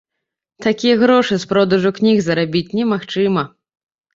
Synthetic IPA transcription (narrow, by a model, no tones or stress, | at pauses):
t̪akʲijɐɣɾɔʂɨspɾɔd̪ɐʐuknʲiɣzɐɾabʲit͡sʲnʲɛmaxt͡ʂɨmɐ